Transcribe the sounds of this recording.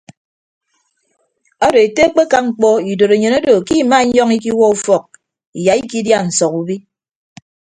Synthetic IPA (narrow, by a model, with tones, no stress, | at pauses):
ɔ˦do˨e˨te˦k͡pe˦ka˦ŋ͡m̩˦k͡pɔ˦i˨do˨ɾe˨ɲo˨no˦do˨ki˦˨ma˦ɲ˦ɔ˦ŋi˦ki˦wɔ˦u˦fɔ˨k̚ | i˨ja˨i˦ki˦dja˦n̩˨sɔ˨ku˨bi˦